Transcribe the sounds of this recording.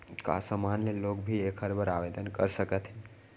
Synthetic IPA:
ka̰səmanlelokbʱiekʰəɾbəɾaʋed̪ənkəɾsəkət̪ɦɛ̃

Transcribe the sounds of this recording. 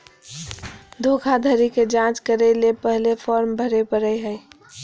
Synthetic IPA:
d̪ʱokʰad̪ʱəɾiked͡ʒãt͡ʃkəɾelepəɦlefʰɔːɾmbʱəɾepəɾəjɦəj

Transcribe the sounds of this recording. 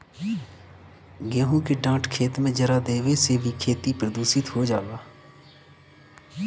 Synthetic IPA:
ɡɪjãːɦũːkeɖãːʈkʰeːt̪mẽːd͡ʒəɾaːd̪eːʋeːseːʋiːkʰeːt̪iːpɾəd̪uːsɪt̪ɦoːd͡ʒaːɡaː

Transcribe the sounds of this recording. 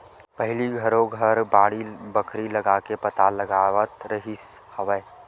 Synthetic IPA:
pəɦɪliɡʱəɾõɡʱəɾbaːɽibəkʰɾiləɡakepət̪aləɡawət̪ɾəɦishəʋəː

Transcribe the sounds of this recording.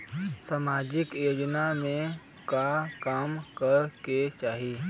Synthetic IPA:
samaːd͡ʒɪkjoːd͡ʒnamẽ | kakaːmkəɾket͡ʃaːɦi

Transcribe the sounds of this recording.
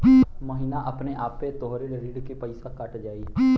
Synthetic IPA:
məɦinaʔəpneʔaːpːet̪ɔɦɾelɾiːɖkepəɪsakəʈd͡ʒaːiː

